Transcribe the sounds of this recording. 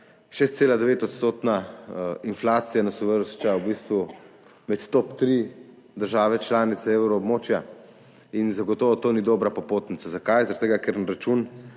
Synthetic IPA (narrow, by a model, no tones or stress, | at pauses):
ʃeːst̪seːlad̪ɛʋeːt̪ɔt̪st̪oːt̪nainflaːt̪sijanasɔʋəɾʃt͡ʃawbist̪ʋu | mɛt̪t̪ɔpt̪ɾi | d̪əɾʒaːʋɛt͡ʃlaːnit̪sɛeːwɾɔːbmoːt͡ʃja | inzaɡɔt̪oːʋɔt̪oːnid̪oːbɾapɔpoːt̪nit̪sazakajzaɾat̪eɡakeɾnɾat͡ʃun